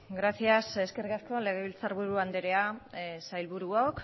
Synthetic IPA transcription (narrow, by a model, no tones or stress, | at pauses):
ɡɾasiase̞ske̞ɾɣasko̞le̞ɣeβilt͡saɾβuɾuand̪eɾe̞asajlβuɾuok